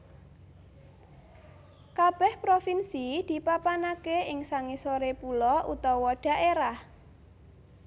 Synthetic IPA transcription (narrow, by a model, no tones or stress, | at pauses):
kab̥ɛhpɾofinsid̪̥i̤papanakeɪŋsaŋisoɾepulɔʔṵt̪ɔwɔɖ̥a̤ʔeɾah